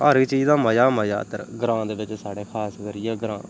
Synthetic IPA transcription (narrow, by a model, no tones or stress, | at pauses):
əːɾt͡ʃiːzãːməjaːməja̰ːt̪əɾɡɾãːd̪eːʋɪt͡ʃsaːɽeːkʰaːskəɾɪjaːɡɾã̰ː